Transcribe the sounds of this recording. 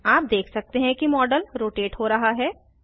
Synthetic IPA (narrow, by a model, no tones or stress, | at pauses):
aːp̚d̪eːkʰsɐk̚t̪eɦɛ̃kimɔːɖəlɾoːʈeːʈɦoːɾɐɦaɦɛː